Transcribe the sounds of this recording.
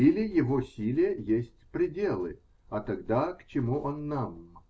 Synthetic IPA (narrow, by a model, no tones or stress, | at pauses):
ilʲɪjɪvosʲilʲɪjəjesʲtʲpɾʲɪdʲe̞lˠɨ̰ | ɐt̪ɐɡd̪akt͡ɕɪmuʔonːam